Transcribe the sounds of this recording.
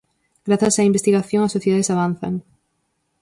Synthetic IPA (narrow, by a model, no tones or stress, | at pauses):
ɡɾaθasaimbest̪iɣaθjõŋasːoθjeðaðesaβanθa̰ŋ